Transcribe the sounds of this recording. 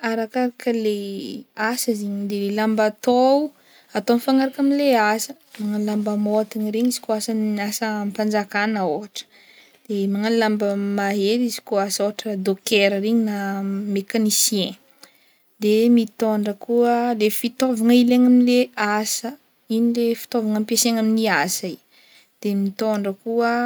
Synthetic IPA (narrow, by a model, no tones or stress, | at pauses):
aɾakaɾakəleasəziɲid̪elelambat̪o | at̪omifaŋaɾakaminleasə | maŋanlambəmot̪iɲiɾeɲizi̥koasanasəmpand͡zakanaoɦaʈ͡ʂə̥ | d̪̥emaŋanilambəmaɦeɾizi̥koasoaʈ͡ʂəd̪okeɾəɾeɲinamekanisiẽ | d̪emit̪oɳɖ͡ʐəkuəlefit̪ovaŋaileŋaminleasə | iɲilefi̥t̪ovaŋəmpieseɲaminiasai | d̪̥emit̪oɳɖ͡ʐəkuə